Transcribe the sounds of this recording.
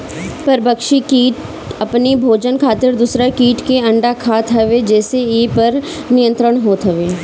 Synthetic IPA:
pɐɾbəkʃikiːʈ | ɐpnibʱoːd͡ʒənkʰaːt̪ɪɾd̪usɾakiːʈkeɐ̃ɳɖakʰaːt̪ʰɦɐʋed͡ʒɛːseeːpɐɾ | nijə̃nt̪ɾəɽ̃ɦoːt̪ɦɐʋeː

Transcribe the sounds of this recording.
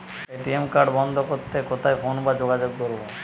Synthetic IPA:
eʈiemkaɾɖbɔnd̪ʱokoɾt̪ːekot̪ʰajfʰonbad͡ʑoɡad͡ʑoɡ̚d̪oɾbo

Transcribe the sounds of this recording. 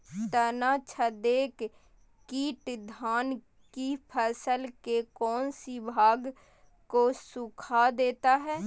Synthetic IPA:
t̪ənat͡ʃʰəd̪eːk | kiːʈd̪ʱaːn | kipʰəsəlkekɔːnsibʱaːɡ | kosʊkʰad̪eːt̪aɦɛː

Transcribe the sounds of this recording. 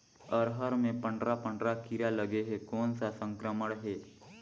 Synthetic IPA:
əɾɦəɾmẽpə̃ɳɖɾapəɳɖɾakiɾaləɡeɦekoːnsasə̃ŋkɾəməɽ̃ɦeː

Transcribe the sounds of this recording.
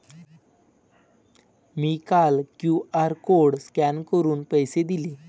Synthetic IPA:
miːkalkjuaɾkoɽskænkəɾuːnpəjsed̪ile

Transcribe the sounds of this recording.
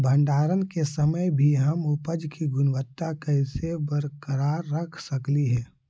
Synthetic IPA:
bʱə̃ɳɖaːɾənkesɐməjbʱiɦɐmʊpəd͡ʒkiɡʊnʋət̪ːakɐɪsebəɾkəɾaːɾːɐkʰsɐkliɦɛː

